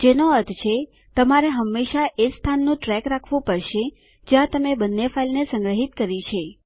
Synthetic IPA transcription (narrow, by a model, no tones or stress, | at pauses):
d͡ʒenoəɾt̪ʰt͡ʃʰe | t̪əmaɾeɦəmːeʃaʔest̪ʰanːũʈɾɛkɾakʰʋũpəɾʃe | d͡ʒjãt̪əmebənːefʰailnesə̃ŋɡɾəɦit̪̚kəɾit͡ʃʰe